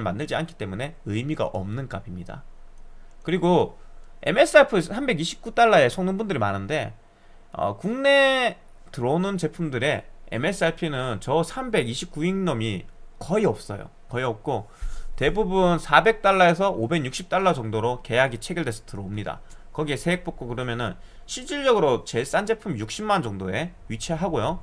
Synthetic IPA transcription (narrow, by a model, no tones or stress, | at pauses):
ɭma̰ndɯɭd͡ʑia̰nkʰi̥t͈e̞mune̞ɯjmiɡa̰ʔʌ̰mnɯnk͈abimɲida̰ | kɯɾiɡo | e̞̰me̞s͈ɯapʰɯsʰambe̞ɡiɕʰi̥p̚k͈ut͈aɭːae̞sʰoŋnɯnbundɯɾimanɯnde̞ | ʌ̰kuŋne̞ | tɯɾʌonɯnt͡ɕe̞pʰumdɯɾe̞ḛme̞s͈ʰɯaɭpʰinɯnt͡ɕʌsʰambe̞ɡiɕʰip̚k͈uiŋɲʌmikʌiʌp̚s͈ʌ̰jo̰ | kʌiʌp̚k͈o | te̞bubunsʰabe̞k̚t͈aɭːae̞sʰʌʔobe̞ŋɲuk̚ɕ͈ip̚t͈aɭːad͡ʑʌŋdoɾoke̞jaɡit͡ɕʰe̞ɡjiɭdwe̞sʰʌ̥tɯɾʌomɲida̰ | kʌɡie̞sʰe̞ek̚p͈ok͈̚okɯɾʌmjʌnɯn | ɕʰiɭt͡ɕ͈iɭd͡ʑʌɡɯɾot͡ɕe̞ɭs͈and͡ʑe̞pʰumjuk̚ɕ͈imːand͡ʑʌŋdoe̞ | ɥit͡ɕʰeɦaɡojo